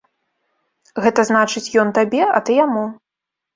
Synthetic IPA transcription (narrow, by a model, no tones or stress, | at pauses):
ɣɛt̪ɐznat͡ʂɨt͡sʲjɔnt̪abʲɛɐ̰t̪ɨjamu